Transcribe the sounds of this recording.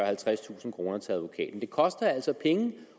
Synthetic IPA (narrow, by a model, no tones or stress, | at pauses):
ɐhælt͡sʰʁast͡sʰṵːsn̩kʰʁo̝ːnɐt͡sʰe̝æð̞ˠʋo̝kʰɛ̰ːd̥n̩d̥e̝kʰɒ̽sd̥ɐæl̰sɒ̽pʰeŋə